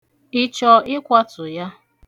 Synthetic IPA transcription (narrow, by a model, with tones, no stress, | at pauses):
ɪ˦t͡ʃɔ˨ɪ˦kʷa˦tʊ˨ja˦